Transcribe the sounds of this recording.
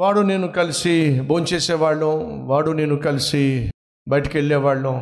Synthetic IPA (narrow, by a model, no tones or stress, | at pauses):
ʋaːɽuneːnukɐlisiboːnt͡ʃeːseːʋaːɭːuʋaːɽune̞ːnukɐlisi | bɐjʈɐkeɭːɛːʋaːɭːu